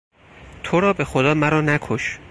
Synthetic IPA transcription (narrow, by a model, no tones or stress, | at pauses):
t̪ʰoɾɒːbe̞xod̪ɒːmæɾɒːnækʰoʃ